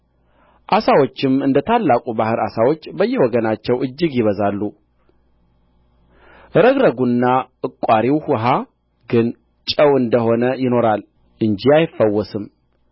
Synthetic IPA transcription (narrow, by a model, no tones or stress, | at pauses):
ʔasawot͡ʃːɪmɨnd̪ət̪ʰalːakʼubahɨɾa̰sawot͡ʃːbəjːɛwɔɡənat͡ʃːɛwʔɨd͡ʒːɨɡjɪβəzalːu | ʔɨɾəɡɾəɡunːaʔɨkʼaɾiwhʊɦa | ɡɨn | t͡ʃʼəwɨnd̪əho̞nəjɪno̞ɾal | ʔɨnd͡ʒiajɪfːəwːɔsɨm